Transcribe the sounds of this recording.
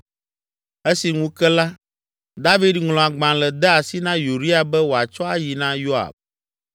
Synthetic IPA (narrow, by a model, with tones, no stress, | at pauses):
e˦si˨ŋũ˦kɛ˦la˦ | d̪a˦vi˦dŋlɔ̃˨a˨ɡ͡bã˨lɛ˨d̪ɛ˦a˨si˦nã˦ju˨ɾi˦a˨bɛ˦wo˨a˨t͡ʃɔ˦a˦ji˨nã˦jo˦a̰˨b̚